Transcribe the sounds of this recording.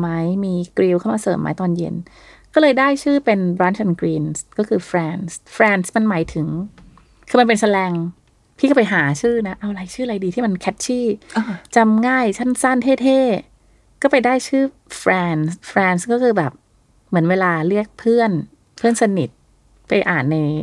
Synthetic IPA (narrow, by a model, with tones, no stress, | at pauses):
ma˦˥jmiː˧kɾiː˧wkʰa˥˩wmaː˧sɤː˨˩mːa̰˦˥jt̪ɔː˧njḛ˧n | kɔː˥˩lɤː˧jdaː˥˩jt͡ɕʰɯː˥˩pe˧nbɾaː˦˥nt͡ɕʰa˧nkɾiː˧nskɔː˥˩kʰɯː˧fɾɛː˧nsfɾɛː˧nsma˧nma˩˦jt̪ʰɯ˨˩˦ŋ | kʰɯː˧ma˧npe˧nsa˧lɛː˧ŋ | p̪ʰiː˥˩ka˥˩pa˧jɦaː˩˦t͡ɕʰɯː˥˩na˦˥ʔa˧wlaː˨˩˦jt͡ɕʰɯː˥˩˨a˧jdiː˧t̪ʰiː˥˩ma˧nkʰɛ˦˥t̪̚t͡ɕʰiː˥˩at͡ɕa˧mŋaː˥˩jt͡ɕʰa˥˩nsa˥˩nt̪ʰeː˥˩t̪ʰeː˥˩ | kɔː˥˩pa˧jdaː˥˩jt͡ɕʰɯː˥˩ | fɾɛː˧nsfɾɛː˧nskɔː˥˩kʰɯː˧bɛː˨˩p̚ | mɯ˩˦ənweː˧laː˧lɯ˥˩ək̚pʰɯ˥˩ən | pʰɯː˥˩˨nsa˧ni˨˩t̪̚ | pa˧jʔaː˨˩nːa˧j